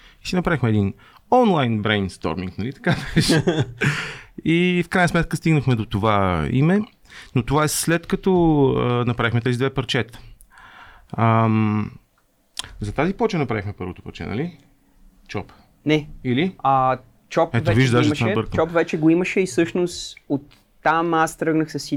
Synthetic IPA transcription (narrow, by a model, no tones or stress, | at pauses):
isinɐpɾavixmɛːd̪in | ɔnlˠajnbɾɛjnst̪ɔ̰ɾmḭ̃ŋknɐlit̪ɐ̥kabɛʃ | ifkɾajnsmɛt̪̚kəst̪iɡnəxmɛd̪ot̪ovaḭmɛ | not̪ovaɛslɛt̪kɐt̪ɔənɐpɾavixmɛt̪ɛzid̪vɛpɐɾt͡ʃɛt̪ə̥ | əm | zɐt̪azipɔt͡ʃənɐpɾavixmɛpɤɾvot̪o̥pɐɾt͡ʃɛ̰nɐ̰li | t͡ʃɔp | nɛilia | t͡ʃɔpɛvoɛviʒd̪aʒɛɛbəɾk̪t͡ʃɔpvɛt͡ʃɛɡoiməʃɛisɤʃnost̪ot̪ː | amast̪ɾɤɡnəxsɐsi